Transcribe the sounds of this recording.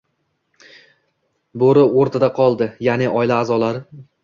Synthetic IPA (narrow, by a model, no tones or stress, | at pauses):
boɾɪoɾt̪ʰad̪aqʰɒlˠd̪ɪjanɪʔɒjlaːzɒlaɾɪ